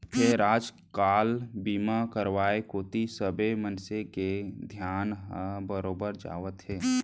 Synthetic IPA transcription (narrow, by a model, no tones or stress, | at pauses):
pʰeɾaːd͡ʒ | kaːlbiːmakəɾʋaːekoːt̪isəbemənseked̪ʱjaːnɦəbəɾoːbəɾd͡ʒa̰ːʋət̪ɦɛː